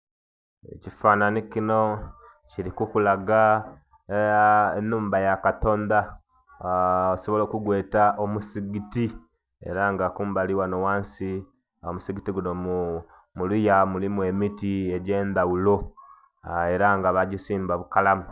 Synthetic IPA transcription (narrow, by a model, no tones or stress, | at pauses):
ḛcifananikino̞ | ciɾikukulaɡa | enːuːmbajakato̞ːnd̪a | oso̞βolo̞ːkuɡwe̞ːtaʔomusiɡiti | e̞̰ɾaŋɡakuːmbaliwanowaːnsi | omusiɡitiɡunomu | mulujamulimwe̞mitie̞ɟe̞ːnd̪awulo | e̞ɾaŋɡaβaɟisiːmbaβukalamu